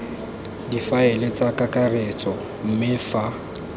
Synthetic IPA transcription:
difaɪlɪt͡sʼakʼakʼaret͡sʼɔ | m̩mɪfa

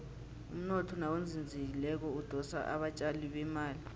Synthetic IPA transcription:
ṵm̩nɔtʰɔnawond͡zʱind͡zʱik̬ilɛk̬ɔud̥ʱɔsa̰ʔa̰ɓat͡ʃʼaliɓɛmaːli

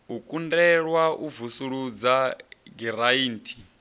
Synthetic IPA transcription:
ɦukʼundɛɺwaʔuvusuɺud͡zaɡiɾaiːntʰi̥

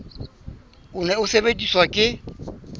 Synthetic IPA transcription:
ʊnɛʊsebetʼiswakʼɪ

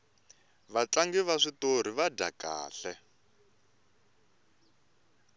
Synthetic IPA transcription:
βat͡ɬaŋɡiβaʂitoɾ̤iβada̰ka̰ːɬɛ

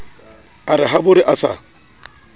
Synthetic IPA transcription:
aɾɪɦabʊɾɪʔasa̰

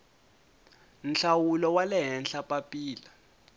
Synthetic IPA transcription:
n̩ɬawulɔwalɛɦɛnɬapʼapʼiːla

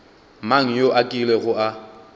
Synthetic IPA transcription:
maŋ̩joʔakʼilɛɣʊa

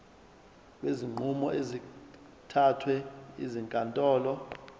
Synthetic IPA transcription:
ɓeziŋ͡ǃʱumɔʔezi | tʰatʰwɛḭziŋkʼantʼɔːlɔ

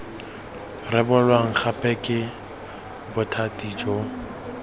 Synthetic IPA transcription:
rɪbʊlwaŋ̩χʰapʼɛkʼɪ | bʊtʰatʼid͡ʒo

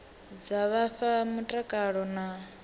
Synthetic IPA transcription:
d͡zaβaɸamutʼakʼaɺɔna

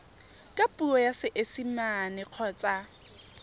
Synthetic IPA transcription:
kʼapʼuɔjasɪʔesimanɪq͡χʰɔːt͡sʼa

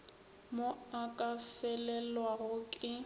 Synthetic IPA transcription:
moakʼafɛlɛlwaɣʊkʼɪ

